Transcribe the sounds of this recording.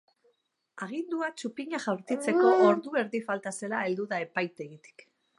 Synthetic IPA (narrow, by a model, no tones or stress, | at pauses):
aɣ̞ind̪uat͡ʃupiɲaʝawɾt̪it͡se̞ko̞ʔːɾðue̞ɾðifalt̪ase̞lae̞ld̪uðae̞pajt̪e̞ɣit̪i̥k